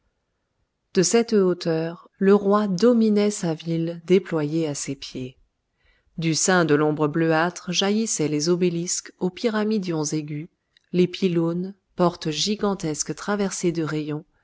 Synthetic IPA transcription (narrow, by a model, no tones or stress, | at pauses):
d̪̥əsɛt̪ot̪œʁ | ləʁwad̪ɔminɛsavild̪eplwajeasepje | d̪ysɛ̃d̪əlɔ̃bʁəbløat̪χʒajisɛlezobeliskopiʁamid̪jɔ̃zeɡʲy | lepʰilon | pɔʁt̪ʒiɡɑ̃t̪ɛskt̪χavɛʁsed̪əʁejɔ̃